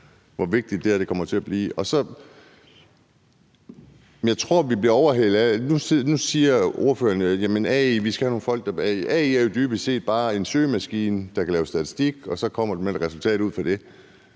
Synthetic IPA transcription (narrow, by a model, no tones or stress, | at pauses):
ʋɒʋe̝ɡ̥̚d̥id̥ːe̝æɐɾ̥e̝kʰɒ̽mɐt͡sʰe̝æb̥lḭːɒ̽sɒ̽ | jɑ̈ɪt͡sʰʁo̝ɐ̰ʋib̥liɐɒʊɐɦelð̩ˠænusnusiːɐo̝ɐfø̰ːɐnjæmənɛiʋisɡ̥æhæno̝ːn̩fɒ̽l̰ɡ̥d̥ɑɛ̰iʔɛiæɐjo̝d̥yːb̥se̝̰ːd̥̚b̥ɑ̈ːe̝nsøːmæsɡ̥ḭːnəd̥ɑ̈kʰælɛːʊsd̥æt͡sʰi̥sd̥iɡ̥ɒ̽sɒ̽kʰɒ̽m̰ɐd̥emed̥ʁɛsult͡sʰɛ̰ːd̥ˠuð̰ˠfɑd̥e̝